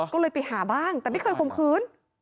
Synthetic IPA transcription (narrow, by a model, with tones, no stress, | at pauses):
kɔ˧wləː˧˩jpi˨˩haː˨˩˦ɓaː˧˥˩nt̪ɛː˨˩m˧˥jxʰəː˧˩jko˨˩ŋ͡mxɨː˨˦n